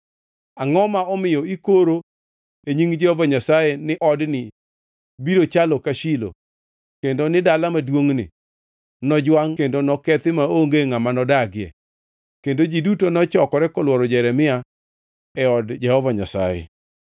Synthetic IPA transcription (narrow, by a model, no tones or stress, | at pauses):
aŋɔmaɔmɪjɔikoɾo | eɲiŋd͡ʒɛhɔvaɲasajɛnɪʔɔdnɪ | biɾot͡ʃalɔkaʃilo̰ | kendonɪdalamadwoŋnɪ̰ | nɔd͡ʒwaŋkendonɔkɛt̪ɪmaoŋɡeŋamanɔdaɡɪjɛ̰ | kendod͡ʒidutonɔt͡ʃɔkɔɾɛkɔlwɔɾɔd͡ʒɛɾɛmɪa | ɛɔdd͡ʒɛhɔvaɲa̰sa̰jɛ̰